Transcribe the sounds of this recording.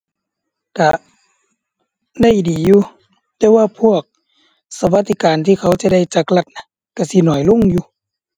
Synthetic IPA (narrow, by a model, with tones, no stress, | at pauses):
ka˧˩ | da˧˩˨jdiː˨˩˦juː˧ | t̪ɛː˧˦waː˧˨pʰu˧˥˩ək̚ | sa˧ba˧t̪ʰːi˧kaː˨nt̪ʰiː˧˩kʰa˧˥˩wt͡ɕa˧˦da˧˥˩jt͡ɕa˧kla˧˩t̪̚na˧˦ | ka˧˩si˧˦nɔː˨˩jlo˧˥˨ŋjuː˧